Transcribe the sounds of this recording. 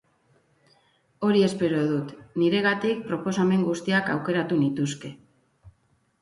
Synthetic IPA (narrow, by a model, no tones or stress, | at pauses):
o̞ɾie̞spe̞ɾo̞ðut̪niɾe̞ɣ̞at̪ik̚pɾo̞po̞same̞ŋɡust̪iakawke̞ɾat̪unit̪uske̞